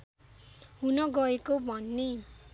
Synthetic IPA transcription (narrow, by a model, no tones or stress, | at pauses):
ɦunʌɡʌekobʱʌnːe